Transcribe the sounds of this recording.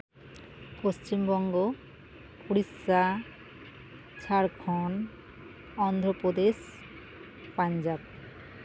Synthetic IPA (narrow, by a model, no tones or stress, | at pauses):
post͡ɕimbɔŋɡo | puɽisa | t͡ʃʰaɾkʰɔn | ɔnd̪ʱɾopod̪es | paɲd͡ʒab